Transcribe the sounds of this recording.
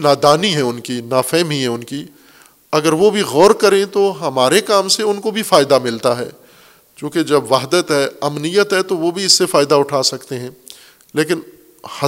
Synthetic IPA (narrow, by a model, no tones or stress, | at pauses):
naːd̪aːniɦɛ̃ʊnkinaːfɛːmiɦɛ̃ʊnki | ɐɡəɾʋobʱiɣɔːɾkɐɾẽt̪oɦɐmaːɾekaːmseʊnkobʱifaːɪd̪amɪlt̪aɦɛ̰ː | t͡ʃõːked͡ʒɐbʋaːɦd̪ət̪ɦɛːɐmnijət̪ɦɛt̪oʋobʱiɪsːefaːɪd̪aʊʈʰaːsɐkt̪eɦɛ̃ː | leːk̬ɪn | hɐ